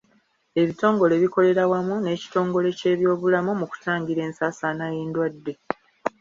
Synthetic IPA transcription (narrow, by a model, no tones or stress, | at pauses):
e̞βito̞ːŋɡo̞le̞βiko̞le̞ɾawamune̞ːci̥to̞ːŋɡo̞le̞ce̞ːβjo̞ːβulamumuku̥taːŋɟiɾe̞ːnsaːsanajiːndwadːe̞